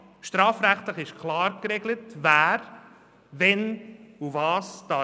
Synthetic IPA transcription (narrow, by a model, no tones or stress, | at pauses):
ʃtɾɑːfɾæχt̪ləχɪʃkʰlɑːɾkɾeɡlətvæːɾ | vɛnuvɑːsd̪̥ɑ